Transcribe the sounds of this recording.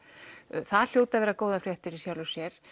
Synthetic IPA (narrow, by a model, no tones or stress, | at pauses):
θaðl̥joːwt̪aðvɛːɾakoːwðafɾjɛht̪ɪɾisjawlʏsjɛɾ̥